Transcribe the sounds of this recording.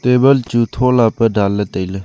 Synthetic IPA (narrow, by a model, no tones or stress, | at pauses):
t̪eːbəlt͡ʃut̪ʰoːlapəɖalːət̪ələ